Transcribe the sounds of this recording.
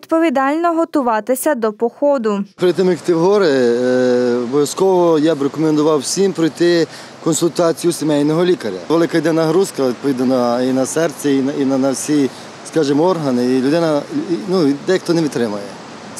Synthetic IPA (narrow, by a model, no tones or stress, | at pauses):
ʋid̪pɔʋʲid̪ɑlʲnɔɦɔt̪ʊʋɑt̪ɪsʲɐd̪ɔpɔxɔd̪ʊpɾɪjt̪ɪmjikt̪ɪwɦɔɾɛ | ɔbɔʋʲjɐskɔʋɔjabɾekɔmend̪ʊʋɑwsʲimpɾɔjt̪ɪ | kɔnsʊlʲt̪ɑt͡sʲijʊsʲemɛjnɔɦɔlʲikɐɾʲɐ̰ʋelˠɪkɐjid̪ɪnɐɦɾuskɐʋʲid̪̚pɔʋʲid̪nɐnɐinɐsɛrt̪t͡s̪ʲɛininɐnɐwsʲi | skɑʒɪmɔrɦɐnɪilʲʊd̪ɪnɐnud̪ɛjɐkt̪ɔnɛʋʲit̪t̪ɾɪmɐjɛ